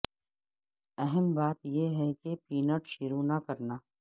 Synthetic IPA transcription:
ɛɦɛmbaːt̪jeɦɛkepiːnəʈʃʊɾunakɐɾnaː

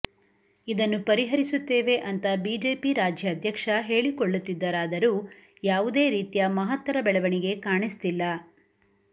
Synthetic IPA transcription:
id̪ɐnːupɐɾiɦɐɾisut̪ːeːʋe̞ʔɐnt̪ɐbiːd͡ʒeːpiɾaːd͡ʒjɐːd̪ʱjɐkʂɐɦe̞ːɭikoɭːut̪ːid̪ːɐɾaːd̪ɐɾuː | jaːʋud̪e̞ːɾiːt̪ijɐmɐɦɐt̪ʋɐɾɐbɛɭɐʋɐɳiɡe̞kaːɳist̪ilːɐ

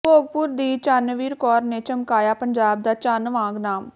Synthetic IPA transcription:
poːɡ̚pʊɾd̪iːt͡ʃaːnəʋiːɾkɔːɾneːt͡ʃəmkaːjaːpəɲd͡ʒaːb̚d̪aːt͡ʃaːnʋãːɡnaːm

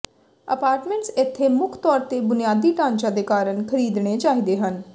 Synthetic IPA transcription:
əpaːɾʈmẽɳʈsɪt̪ʰːeːmʊkʰt̪ɔːɾt̪eːbʊnɪjaːd̪iːʈãːɲt͡ʃãːd̪eːkaːɾəɳkʰəɾiːd̪ɽ̃eːt͡ʃaːɦiːd̪eːɦən

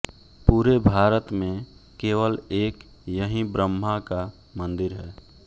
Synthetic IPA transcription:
puːɾebʱaːɾət̪mẽkeːʋəleːk | jəɦĩbɾəmːaka | mə̃nd̪ɪɾɦɛː

